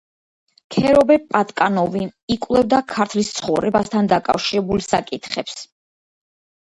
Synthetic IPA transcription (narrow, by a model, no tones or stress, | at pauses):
kʰɛɾɔbɛpʼat̪ʼkʼanɔviikʼwlˠɛvd̪akʰaɾt̪ʰlist̪sʰχɔvɾɛbast̪ʰand̪akʼa̰fʃiɾɛbulsakʼit̪ʰχɛps